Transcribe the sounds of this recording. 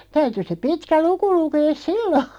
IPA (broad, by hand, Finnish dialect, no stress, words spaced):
tæyty se pitkæ luku lukeːs silːo